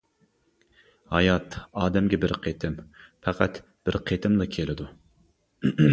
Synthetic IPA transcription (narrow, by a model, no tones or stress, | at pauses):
hɑjɑt̪ɑːd̪ɛmɡʲɛbɪɾqʰet̪ʰɪmpʰɛqʰæt̪ | b̥ɪɾqʰet̪ʰɪmlˠɨkʲʰelɪd̪u